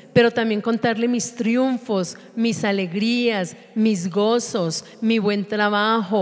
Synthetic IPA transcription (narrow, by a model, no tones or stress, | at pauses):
pe̞ɾo̞t̪ambjeŋko̞nt̪aɾle̞mist̪ɾjuɱfo̞s | misale̞ɣɾias | mizɡo̞so̞s | miβwe̞nt̪ɾaβaxo̞